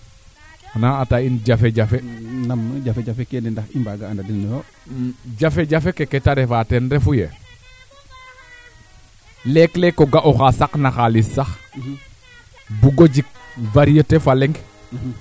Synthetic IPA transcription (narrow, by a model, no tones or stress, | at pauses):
naatainɟafeɟafenamɟafeɟafekendindaximbaɡandadinnjo | ɟafeɟafekeketaɾefatɛnɾɛfujḛ | lɛklekːoɡaʔoxasaknaxalissax | buɡoɟik̚vaɾijətefalɛŋɡ